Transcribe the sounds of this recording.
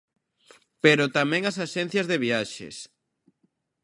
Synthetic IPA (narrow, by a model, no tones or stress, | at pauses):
peɾot̪amɛ̃ŋasaʃɛn̟θjɐzðeβiaʃḛs